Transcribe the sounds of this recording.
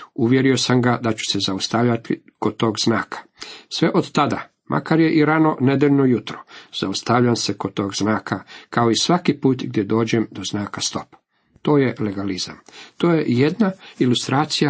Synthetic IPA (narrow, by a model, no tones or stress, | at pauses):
uʋje̞ɾio̞samɡad̪at͡ɕu̥sezaust̪aʋʎat̪i | kod̪̚t̪o̞ːɡznaːkʰḁ | sʋe̞ʔod̪t̪ad̪a | mʔa̰kaɾje̞ʔiɾano̞ne̞d̪eʎnojut̪ɾoz̥aust̪aʋʎamsekod̪̚t̪o̞ːɡznaːkʰakao̞isʋakipuːt̪ɡd̪jed̪o̞ːd͡ʑemd̪o̞znaːkast̪o̞p | t̪o̞ːje̞le̞ɡaliza̰mt̪oːje̞jed̪nailust̪ɾaːt̪sija